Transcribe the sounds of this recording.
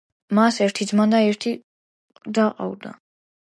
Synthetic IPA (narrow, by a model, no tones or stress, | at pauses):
masɛɾt̪ʰid̪zmand̪aɛɾt̪ʰi | d̪aqʼa̰wd̪a̰